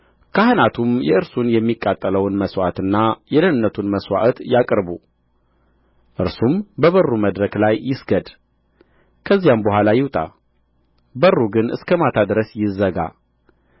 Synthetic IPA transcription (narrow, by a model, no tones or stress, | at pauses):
kʰahɨnat̪ʰumjɛɨɾsunjɛmːikʼːat̪ʼːələwnməswa̰t̪ɨnːajɛlənɨnːət̪ʰunməswa̰ʔt̪jakʼɾbu | ʔɨɾsumbəβərːuməd̪ɾəklajːɪsɡəd̪ | kʰəzːijambəɦʷalajɪwt̪ʼa̰ | bərːuɡɨnɨ̰skʰəmat̪ʰad̪ɾəsjɪzəɡa̰